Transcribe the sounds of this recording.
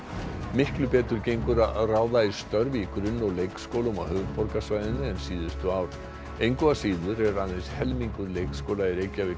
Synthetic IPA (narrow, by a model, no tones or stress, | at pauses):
mɪhklʏpɛːt̪ʏɾcejŋkʏɾaraːwðaist̪œɾvikɾʏnːɔɣlejkskowluma̰whœɣpɔɾkasvajðɪnːɪɛnsiːðʏst̪ʏaːwɾ̥ | ejŋkɔasiːðʏɾɛɾanðejshɛlmiŋkʏɾleːjkskowlaɪɾejcːavɪ